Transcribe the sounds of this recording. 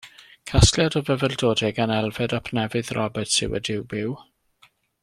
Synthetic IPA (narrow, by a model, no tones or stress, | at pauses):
kʰastljadɔvəvɛldoːdɛɡanɛlˠvɛdapʰnɛvɨðrɔbɛtsɪ̰wə̰dɪwbɪw